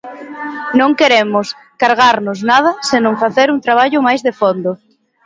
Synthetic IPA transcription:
nõŋkeɾemʊs | kaɾɣaɾnʊsnað̞ɐsenõŋfaθeɾuŋt̪ɾaβ̞aʎʊmajzðefond̪o

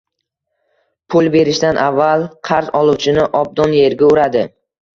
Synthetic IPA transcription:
pʰʊlˠbe̞ɾɪʃd̪anʔavːalˠqʰɑɾzɒlˠuwt͡ʃʰɪnɪʔɒb̚d̪ɒnje̞ɾɡʲaʊɾad̪ɪ

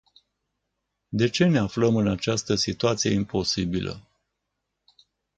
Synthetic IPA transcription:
d̪e̞t͡ʃe̞ne̞afləmɨnat͡ʃast̪əsit̪uat̪sije̞impo̞sibilʔə̰

